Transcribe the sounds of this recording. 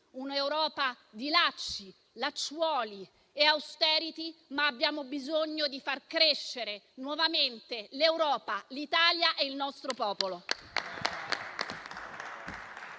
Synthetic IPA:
unewɾɔːpa | d̪ilat͡ʃːi | lat͡ʃːwɔːli | eawst̪ɛːɾit̪imaːbːjaːmobizoɲːod̪ifarkɾeʃːeɾe | nwɔvament̪elewɾɔːpalit̪aːljaʔeilnɔst̪ɾopɔːpolo

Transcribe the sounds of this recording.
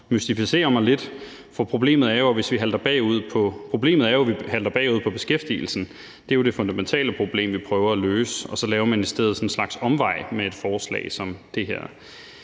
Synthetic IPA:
mysd̥ifise̝̰ːɐmɑ̈ɪle̝d̥ | fɒpʰʁo̝b̥le̝̰ːməð̩ˠæɐjo̝ʋe̝sʋiɦæld̥ɐb̥ɛ̰ːuð̞̰ˠpʰɒ̽pʰʁo̝b̥le̝̰ːmð̞̩ˠæɐjoʋihæld̥ɐb̥ɛ̰ːuð̞̰ˠpʰɒ̽b̥e̝sɡ̥efd̥ḭl̩sn̩ | d̥e̝o̝d̥e̝fɔ̽nd̥æment͡sʰɛ̰ːləpʰʁo̝b̥le̝̰ːmʋipʰʁœːʊɐæløːsɒ̽sɒ̽lɛːʊɐmæned̥sd̥eð̰̩ˠsɒ̽nnslɑ̈ɡ̥sɒ̽mʋɑ̈ɪ̰mee̝d̥fɒːslɛ̰ːɪsɒ̽md̥e̝ɦeɐ̰

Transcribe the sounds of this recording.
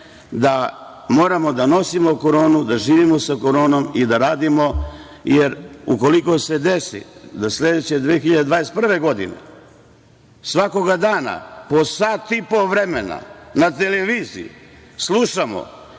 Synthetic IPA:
d̪a | mo̞ːɾamo̞d̪ano̞simo̞ko̞ɾo̞ːnud̪aʒiːʋimo̞sako̞ɾo̞ːno̞mid̪aɾaːd̪imo̞ | jeɾuko̞liko̞se̞d̪esḭd̪asle̞d̪et͡ɕed̪ʋexiʎad̪ed̪ʋaːɾespr̩ʋe̞ɡo̞d̪ḭnḛ | sʋako̞ɡad̪aːna̰po̞saːt̪ipoʋɾemena̰nat̪e̞leʋiːziḭ | slˠuʃamo̰

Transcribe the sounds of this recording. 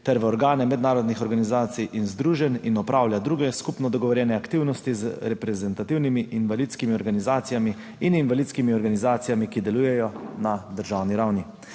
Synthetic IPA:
t̪ɛɾʋɛɔɾɡaːnɛmɛd̪naːɾɔd̪nixɔɾɡanizaːt̪sijʔinzd̪ɾuːʒɛninɔpɾʔaːwlʲjad̪ɾuɡɛskupnɔd̪ɔɡɔʋɔɾjɛːnɛakt̪iwnɔst̪izɾɛpɾɛzɛnt̪at̪iwnimiʔinʋalit̪skimiɔɾɡanizaːt̪sijami | ininʋalit̪skimiɔɾɡanizaːt̪sijamikid̪ɛlujɛjɔnad̪əɾʒaːwniɾawni

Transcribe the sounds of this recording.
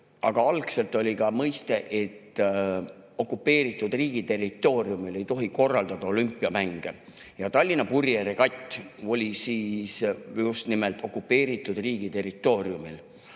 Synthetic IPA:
ʔɑ̰ɡ̥ɑɑlkse̞lt̪ˑo̞lʲikɑmɤjst̪e̞ʔe̞t̪ː | o̞kːˑupːe̞ːɾit̪ːˑud̪̥riːɡ̥it̪e̞rit̪ːˑo̞ːɾiumile̞jt̪o̞ɦiko̞rːɑld̪̥ɑd̪̥ɑo̞lympːˑiɑmæŋɡ̥e̞̰ | jɑt̪ɑlʲːinɑpurjeɾekɑt̪ʲːˑo̞lʲisiːsjust̪nimelt̪ˑo̞kːˑupːe̞ːɾit̪ːˑud̪̥riːɡ̥it̪e̞rˑit̪ˑːo̞ːɾiumil

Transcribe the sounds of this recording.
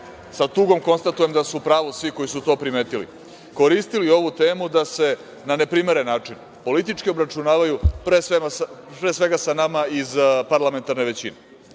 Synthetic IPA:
sat̪uːɡo̞mko̞nst̪at̪ujemd̪asupɾaːʋosʋiko̞jisut̪o̞ːpɾimeːt̪ilḭ | ko̞ɾist̪ilio̞ʋut̪e̞ːmud̪ase̞ | nane̞pɾimeɾenːaːt͡ʂin | po̞lit̪it͡ʃkio̞bɾat͡ʃunaːʋajupɾeseapɾesʋe̞ɡasanamaizpaɾlˠame̞nt̪aɾne̞ʋe̞t͡ɕine

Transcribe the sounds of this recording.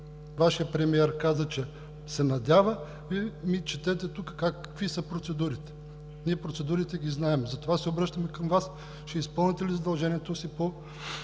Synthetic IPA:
vaʃijəpɾɛmiɛɾkazət͡ʃɛ | sɛnɐd̪ʲavə | vimit͡ʃɛt̪ɛt̪ɛt̪ukə̥kakvisəpɾot̪sɛd̪uɾit̪ɛ̥ | niɛpɾot̪sɛd̪uɾit̪ɛɡiznaɛmzɐt̪ovasɛobɾɤʃt̪əmɛkɐmvas | t͡ʃɛispɤlˠnit̪ɛlizɐd̪ɐlˠʒɛniɛt̪osipo

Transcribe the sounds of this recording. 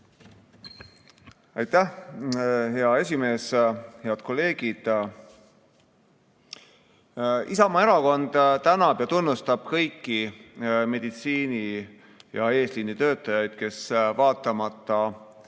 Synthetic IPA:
ɑjt̪ːæh | ɦe̞ɑe̞sʲime̞ːshe̞ɑd̪̥̚ko̞lːe̞ːɡ̥id̪̥ | isɑmɑe̞ɾɑko̞nd̪̥t̪ænɑb̥jɑt̪unːust̪ɑb̥kɤ̞jkːime̞d̪̥it̪siːni | jɑe̞ːslinːit̪ø̞ːt̪ːˑɑjɑjd̪̥̚ke̞svɑːt̪ːˑɑmɑt̪ːˑɑ

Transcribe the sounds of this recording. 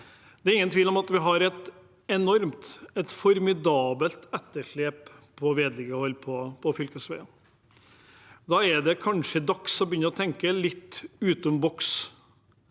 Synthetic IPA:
d̪ɛæɾɪŋːənt̪ʰʋiːlɔmɑt̪ʋɪɦɑɾɛt̪ | ɛnɔɾmt̪ɛt̪fɔɾmɪd̪ɑːbəlt̪ɛt̪ːəʂɭeːppʰɔʋeːd̪lɪɡəhɔlːpʰɔpʰɔfʏlkəsʋɛɪɑ | d̪ɑːɛd̪ɛkʰɑnʂəd̪ɑksɔmbjʏnːəɾɔt̪ʰɛŋkəlɪt̪ːʉːt̪ɔmbɔks

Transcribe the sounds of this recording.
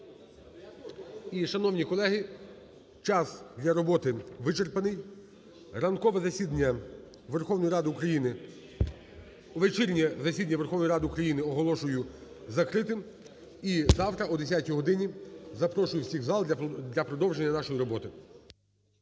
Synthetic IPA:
iʃɐnɔwnʲikɔlˠɛɦɪ | t͡ʃɑsd̪ʲlʲɐɾɔbɔt̪ɪʋɪt͡ʃerpɐnɪj | rɐnkɔʋɛzɐsʲid̪ʲɐ | ʋerxɔwnɔjiɾɑd̪ɪukɾɐjinɪ | uʋet͡ʃiɾʲnʲizɐsʲid̪ɐnʲɐʋerxɔwnjɾɑd̪ɪukɾɐjinɪɔɦɔlˠɔʃʊjʊ | zɐkɾɪt̪ɪm | izɑwt̪ɾɐɔd̪es̬ʲatʲiɦɔd̪ɪnʲizɐpɾɔʃʊjʊwsʲiɣzɑlˠd̪ʲlʲɐpɾɔd̪ɔwʒe̞nʲːɐnɑʃɔjiɾɔbɔt̪ɪ

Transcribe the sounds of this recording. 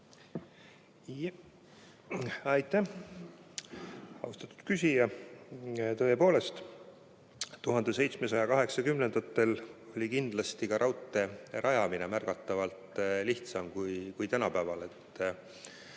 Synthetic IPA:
ɑjt̪ːˑæh | ɑ̰wst̪ɑ̥t̪ːˑu̥d̪̥kysʲijɑ | t̪ɤ̞e̞po̞ːle̞st̪ | t̪ːuɦɑnd̪e̞se̞jt̪smes̬ɑjɑkɑɦe̞ksɑkymnend̪ɑt̪ːˑe̞lo̞lʲikind̪̥lɑst̪ikɑɾʔɑwt̪ːˑe̞rɑjɑminemærɡ̥ɑt̪ːˑɑvɑlt̪liht̪sɑmkujkujt̪ænɑpæːvɑle̞t̪ːˑ

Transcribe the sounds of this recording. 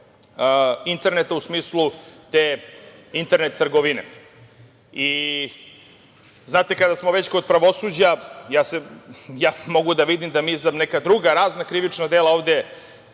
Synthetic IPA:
int̪e̞ɾnet̪ausmiːslˠut̪eːint̪eɾnet̪ːr̩ɡoʋinḛ | i | znaːt̪ekad̪asmoʋet͡ɕko̞d̪̚pɾaʋo̞sud͡ʑajaːsejaːmo̞ɡud̪aʋid̪imd̪amiːzanekad̪ɾuɡaɾaːznakɾiʋit͡ʂnad̪elao̞ːʋd̪e

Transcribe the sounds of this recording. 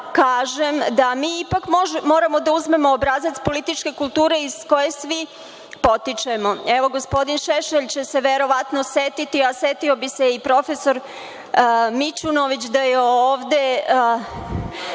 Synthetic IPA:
kaːʒemd̪amiːipakmmo̞ːɾamo̞d̪auzme̞mo̞ːbɾazat̪spo̞lit̪it͡ʃke̞kulˠt̪uːɾe̞izko̞je̞sʋi | po̞t̪it͡ʃemo̞eʋo̞ɡospo̞d̪inʃeʃeʎt͡ɕe̞se̞ʋeɾo̞ʋat̪noset̪it̪iaset̪iobise̞ipɾo̞fe̞so̞ɾ | mit͡ʃunoʋit͡ɕd̪ajeoːʋd̪e̞

